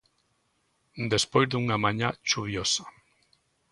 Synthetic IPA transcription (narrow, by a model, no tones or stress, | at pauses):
d̪espojzðuŋamaɲat͡ʃuβjosḁ